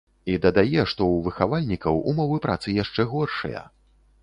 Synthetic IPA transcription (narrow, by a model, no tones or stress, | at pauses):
id̪ɐd̪ajɛʂt̪ɔwvɨxavalʲnʲikɐwṵmɔvɨpɾat̪sɨjaʂt͡ʂɛɣɔrʂɐ̰jɐ̰